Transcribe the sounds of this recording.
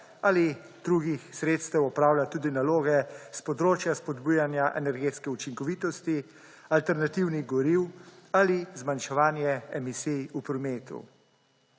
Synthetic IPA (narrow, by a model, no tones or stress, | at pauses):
aːli | d̪̥ɾuɡixsɾeːt̪st̪ɛwɔpɾaːwlat̪uːd̪inaloːɡɛspɔd̪ɾoːt͡ʃjaspɔd̪buːjanjaʔɛ̰nɛɾɡeːt̪skɛut͡ʃiŋkɔʋiːt̪ɔst̪i | alt̪ɛɾnat̪iwniɣɡɔɾiwalizmanʃɛʋaːnjɛɛmisijupɾɔmeːt̪ṵ